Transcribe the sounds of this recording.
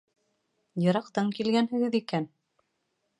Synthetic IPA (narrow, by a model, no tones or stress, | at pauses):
jɤ̆ɾɑqt̪ɤɴkilɡænhɘ̆ɡɘðikæn